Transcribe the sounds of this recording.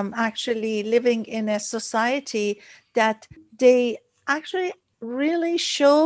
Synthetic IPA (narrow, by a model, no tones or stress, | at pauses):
mak̚t͡ʃulˠilɪvɪ̃ŋɪ̃nɨsəsaɪɨtʰiðət̪ðeɪ | ʔak̚t͡ʃəl̩i | ɹɪliʃoʊ